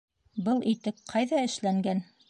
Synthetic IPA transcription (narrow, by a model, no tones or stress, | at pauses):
bɤlˠʔit̪ɘp̚qʰɑjðɑɘ̆ʃlæŋɡæn